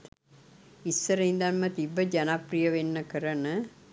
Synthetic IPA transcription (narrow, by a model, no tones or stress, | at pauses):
isːəɾəind̪anmət̪ibːəd͡ʒanaprijəʋenːəkəɾənə